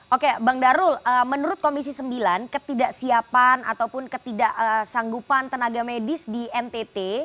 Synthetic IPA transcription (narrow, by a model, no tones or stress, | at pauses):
ʔokebaŋdaɾʊləmənuɾʊt̪̚komisisəmbilankət̪idaʔsiapana̰t̪awpʊnkət̪idaʔəsaŋɡupant̪ənaɡamedɪsdiɛnt̪et̪e